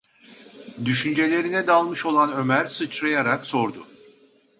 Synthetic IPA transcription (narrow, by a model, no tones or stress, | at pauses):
d̪yʃynd͡ʒe̞lʲe̞ɾinɛd̪alˠmɯʃo̞lˠanø̞mæɾsɯt͡ʃɾajaɾakso̞ɾd̪ʊ